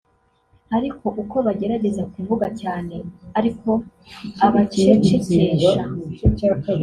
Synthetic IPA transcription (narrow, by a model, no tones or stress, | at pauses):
haɾikʰo̞ʔuko̞βaɟe̞ɾaɟe̞zakuːɱvuɡacaːne̞aɾiko̞ | aβat͡ʃet͡ʃeceːʒa